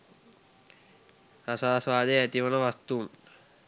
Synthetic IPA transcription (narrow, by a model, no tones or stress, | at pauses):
asaːsʋaːd̪ejæt̪iʋənəʋast̪uːm